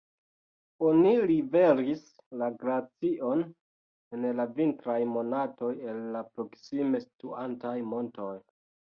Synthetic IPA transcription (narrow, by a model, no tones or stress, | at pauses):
o̞nilive̞ɾis | laɡɾat͡siʔo̞n | e̞nlavintɾajmo̞nato̞je̞lːapɾo̞ksime̞stuantajmo̞nto̞j